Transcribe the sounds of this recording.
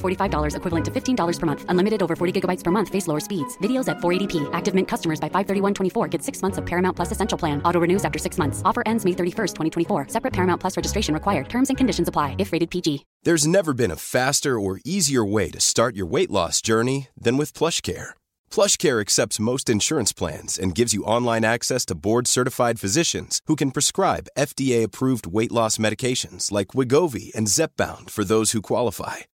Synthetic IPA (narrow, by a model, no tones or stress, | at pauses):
fɔɹɾifaɪvdɔlˠə˞zɨkʰwɪvl̩ˠə̃ntʰɨfɪftʰĩndɔlˠə˞z̥pʰə˞mʌ̃nθʔə̃nlɪ̃mɨɾɨɾoʊvə˞fɔɹɾiɡɪɡəbaɪtspʰə˞mʌ̃nθfeɪsloʊə˞spidz̥vɪɾioʊzɨtfɔɹeɪɾipʰiʔæk̚tɨvmɛ̃nkʰʌstəmə˞zbaɪfaɪv̥θɜ˞ɾiwʌ̃ntʰw̥ɛ̃ifɔɹɡɛtsɪksmʌ̃nθsʌv̥pʰɛɹɨmãʊ̃npʰl̥ʌsɨsɛ̃nʃl̩ˠpʰl̥æ̃nɔɾoɹɨnʉzæftə˞sɪksmʌ̃nθsɔfə˞ʔɛ̃ndzmeɪθɜ˞ɾifɜ˞stʰwɛ̃ɾ̃itʰwɛ̃ifɔɹsɛpɹɨt̚pʰɛɹmãʊ̃npʰʌsɹɛd͡ʒɨstɹeɪʃɨ̃n̩ɹɨkʰwaɪə˞d̚tʰɜ̃˞mzɨ̃nkʰɨ̃ndɪʃn̩zəpʰl̥aɪɨfɹeɪɾɨd̚pʰid͡ʒi | ðə˞znɛvə˞bɨ̃nə̰fæstə˞ə˞iziə˞weɪɾɨstɑɹt͡ʃə̰˞weɪʔlɔ̰sd̥ʒ̥ɜ˞niðɨ̃nwɨð̥pʰl̥ʌʃkʰɛ̰ɹ | pʰl̥ʌʃkʰɛɹɨksɛp̚tsmoʊstɨ̃nʃʊɹɨ̃nspʰl̥æ̰̃nz̥ɨ̃nɡɪvzjɨʔɑ̃nlˠãɪ̃næksɛstʰəbɔɹd̥sɜ˞ɾɨfaɪd̥fɨzɪʃɨ̰̃nz̥hukɨ̃n̩pʰɹ̥ɨskɹaɪbɛfd̥ieɪɨpʰɹ̥uvd̚weɪʔˡlɔsmɛɾɨkʰeɪʃɨ̃nz̥laɪkʰwɪɡoʊvḭɨ̰̃nzɛp̚b̥ã̰ʊ̃nd̥fə˞ðoʊz̥hukʰw̥ɑlˠəfa̰ɪ